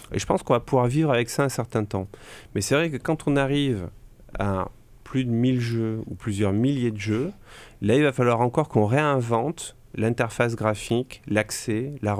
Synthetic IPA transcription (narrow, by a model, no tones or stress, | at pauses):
ḛʒəpɑ̃skɔ̃vapuvwaʁvivʁavɛksaɛ̃sɛʁt̪ɛ̃t̪ɑ̃mɛsɛvʁɛkəkɑ̃t̪ʰɔ̃naʁiv | a̰ | plyd̪əmilʒøuplyzjœʁmiljed̪əʒølailvafalwaʁɑ̃kɔʁkɔ̃ʁeɛ̃vɑ̃t̪ | lɛ̃t̪ɛʁfas̬ɡʁafiklaksɛla